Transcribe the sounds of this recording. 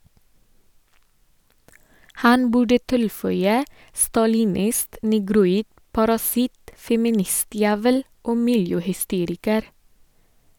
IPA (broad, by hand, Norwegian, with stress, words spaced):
ˈhɑn ˈbʉɖə ˈtɪlˌfœʏə stɑlɪˈnɪst nɛɡɾʊˈiːd pɑɾɑˈsɪt fɛmɪˈnɪˌstjæːʋəl ˈoː ˈmɪljøːhʏˌsteːɾɪkəɾ